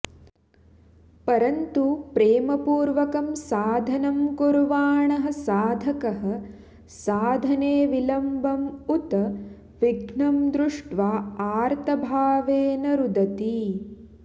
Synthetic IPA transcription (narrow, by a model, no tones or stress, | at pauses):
pɐɾɐnt̪upɾeːmɐpuːɾʋɐkɐmsaːd̪ʱɐnɐmkuɾʋaːɳɐɦɐ̆saːd̪ʱɐkɐɦɐ̆ | saːd̪ʱɐneːʋilɐmbʱɐmut̪ɐ | ʋiɡʱɳɐmd̪ɾuʂʈʋaːaːɾt̪ʰɐbʱaːʋeːnɐɾud̪ɐt̪i